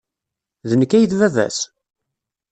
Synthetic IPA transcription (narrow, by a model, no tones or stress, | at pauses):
ðənəkːæjəθvævæ̰s